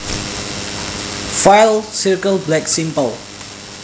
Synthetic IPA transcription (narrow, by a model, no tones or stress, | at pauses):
fajlsiɹkəlblɛksĩmpəl